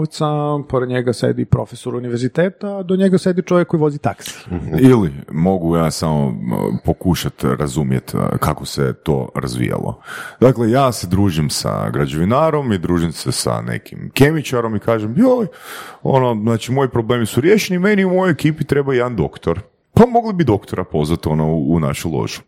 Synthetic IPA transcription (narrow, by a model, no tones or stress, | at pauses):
ʋt̪sapoɾed̪ɲeɡasḛd̪ipɾo̞̰fesoɾuniʋeɾzit̪eːt̪ad̪oɲeɡasjed̪it͡ʃoʋjekːojiʋo̞zit̪aksi̥ilimo̞ɡujaːsamo̰po̞kuʃat̪ɾazumjḛt̪kakosḛt̪o̰ːɾa̰zʋḭja̰lˠo̰d̪̥aklejaːsed̪ɾuːʒimsa̰ɡɾad͡ʑe̞ʋinaːɾo̞mid̪ɾuːʒimsesa̰nḛkimke̞mit͡ʃaɾo̞mikaːʒemjoljo̰noznaːt͡ʃimo̞jipɾoble̞ːmisuɾje̞ʃenime̞niumo̞jojekiːpit̪ɾe̞baed̪and̪o̞̰kt̪oɾ | pamo̞ɡlibid̪o̞kt̪oɾapo̞zʋat̪o̞nouːna̰ʃulˠo̞̰ʒu̥